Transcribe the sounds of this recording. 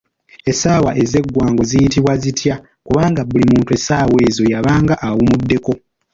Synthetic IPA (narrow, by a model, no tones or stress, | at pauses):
e̞saːwa̰ʔe̞ze̞ɡːwaːŋɡo̞zijitiβwazitʰja | kuβaːŋɡabulimuːntue̞saːwe̞ːzo̞jaβaːŋɡaʔawumudːe̞ko̞